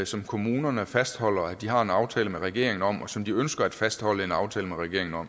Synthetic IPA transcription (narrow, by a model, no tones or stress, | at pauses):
sɒ̽mkʰo̝muːnɐnəfæsd̥hɒ̽l̰ɐæd̥ihɑ̈e̝nɑ̈ʊt͡sʰɛːləmeʁɛɡ̥e̝̰ɐ̰e̝ŋn̩ɒ̽m̰ɒsɒ̽md̥iønsɡ̥ɐæd̥fæsd̥hɒ̽ləe̝nɑ̈ʊt͡sʰɛ̰ːləmeʁɛɡ̥e̝̰ɐ̰eŋn̩ɒ̽m̰